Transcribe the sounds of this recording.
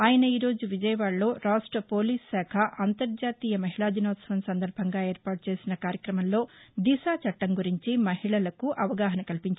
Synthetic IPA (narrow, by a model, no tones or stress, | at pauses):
aːjɐnɐiːɾo̞ːd͡ʒuʋid͡ʒɐjɐʋaːɭlo̞ːɾaːʂʈɾɐpo̞ːliːsːɛːkʰɐʔɐnt̪ɐɾd͡ʒaːt̪iːjɐmɐɦiɭaːd̪inɔːt̪sɐʋɐmsɐnd̪ɐɾbʱɐŋɡaːe̞ːɾpaːʈ̚t͡ʃe̞ːsinɐkaːɾjɐkɾɐmɐmlo̞ːd̪isaːt͡ʃɐʈːɐŋɡuɾiɲt͡ʃimɐɦiɭɐlɐkuʔɐʋɐɡaːɦɐnɐkɐlpiɲt͡ʃ